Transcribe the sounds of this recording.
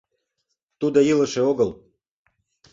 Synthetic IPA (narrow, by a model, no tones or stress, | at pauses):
t̪ud̪ojiləʃeoɣəl